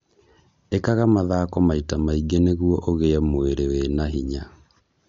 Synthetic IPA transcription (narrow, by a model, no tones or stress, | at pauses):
ekaɣamaðaːkɔmaitamaiɡeneɣwɔʔoɣeɛmoeɾewenaɦiɲa